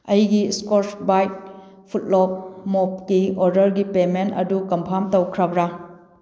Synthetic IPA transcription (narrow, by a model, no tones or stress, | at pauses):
ɐjɡiskoɾsbajt̚ | pʰut̚lop̚mop̚kioɾdɐɾɡipementɐ̰dukɐmpʰamtɐwkʰɾɐbɾa